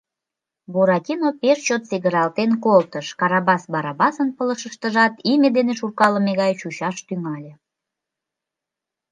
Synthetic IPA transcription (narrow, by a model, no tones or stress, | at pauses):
boɾɑtʲinopeʃt͡ɕot̪seɣəɾɑlt̪enkolt̪əʃkɑɾɑβɑsbɑɾɑbɑsənpələʃəʃt̪əʒɑt̪imʲed̪eneʃurkɑləmeɣɑjt͡ɕut͡ɕɑʃt̪yŋɑlʲe